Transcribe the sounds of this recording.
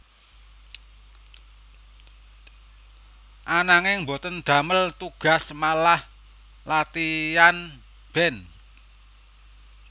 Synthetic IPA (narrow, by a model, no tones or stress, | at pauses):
ʔanaŋɪŋmbot̪ənd̪̥ä̤məlt̪uɡ̥a̤smalah | lat̪ijan | b̥ɛn